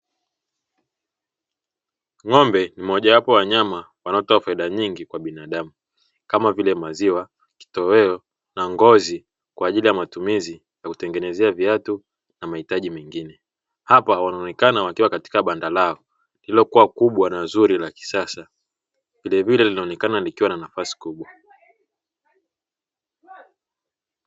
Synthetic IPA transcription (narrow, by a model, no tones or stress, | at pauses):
ŋɔmbɛnimɔʄawapɔwaɲamawanaɔtɔafaiðaɲiŋɡikwaɓinaɗamu | kamavilɛmaziwa | ki̥tɔɛɔ | naŋɡɔzi | kwaːʄilijamatumizi | jakutɛŋɡɛnɛzɛaviatu | namahitaʄimɛŋɡinɛ | hapawanaɔnɛkanawakiwakati̥kaɓandalaɔ | lilɔkuwakuɓwanazuɾilaki̥sasa | vilɛvilɛlinaɔnɛkanalikiwananafasi̥kuɓwa